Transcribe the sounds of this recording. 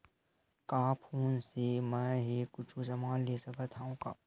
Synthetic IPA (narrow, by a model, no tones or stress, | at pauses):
kaːpʰuːnsemɛ̃ːɦikʊt͡ʃʰusɐmaːlleːsɐkət̪ʰaũka̰ː